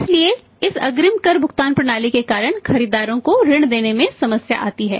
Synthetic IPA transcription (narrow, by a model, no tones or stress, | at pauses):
ɪslie | ɪsɐɡɾɪmkɐɾbʱʊɡt̪aːnpɾɐɽ̃aːlikekaːɾəɽ̃xɐɾiːd̪aːɾõkoɾɪɽ̃d̪eːnemẽsɐməsja̰ʔa̰ːt̪iɦɛ̰ː